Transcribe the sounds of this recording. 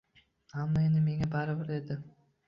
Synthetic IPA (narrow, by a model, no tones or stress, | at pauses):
amːaend̪ɪme̞ŋabaɾɪbɪɾe̞d̪ɪ